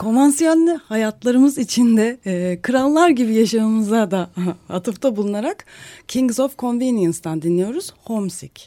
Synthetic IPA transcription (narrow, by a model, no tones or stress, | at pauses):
kʰo̞mansijalʲːihajat̪lˠaɾɯmɯzit͡ʃʰind̪ɛkʰɯɾalˠlːˠaɾɟibijaʃaɯmɯzad̪aa̰t̪ʰɯft̪ʰabulˠunaɾakcʰiŋɡzofkʰo̞nvinijɯnst̪and̪inlʲijo̞ɾuz̥ho̞msic